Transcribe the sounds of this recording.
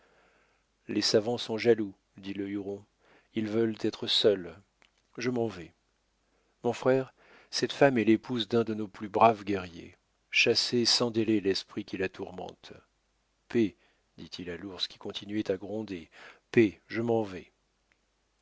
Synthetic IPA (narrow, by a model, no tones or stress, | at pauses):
lesavɑ̃sɔ̃ʒalu | d̪iləyʁɔ̃ | ilvœlt̪ɛt̪χəsœl | ʒəmɑ̃vɛ | mɔ̃fχɛʁ | sɛt̪famɛlepuzd̪ɛ̃d̪ənoplybʁavɡʲɛʁjḛ | ʃasesɑ̃d̪elelɛspχikʲilat̪uʁmɑ̰̃t̪ | pe | d̪it̪ʰilaluʁskʲi̥kɔ̃t̪ʰinɥɛt̪aɡʁɔ̃d̪epeʒəmɑ̃vɛ